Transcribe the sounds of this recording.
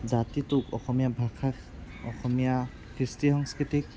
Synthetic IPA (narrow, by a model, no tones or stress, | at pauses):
zatitukɔxʰɔmijabʱakʰak | ɔ̰xɔmija | kɾistiɦɔŋskitik̚